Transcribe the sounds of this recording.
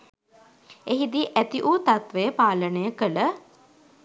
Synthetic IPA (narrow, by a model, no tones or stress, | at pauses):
eɦid̪iʔæt̪iʔuːt̪at̪ʋejəpaːlənəjəkələ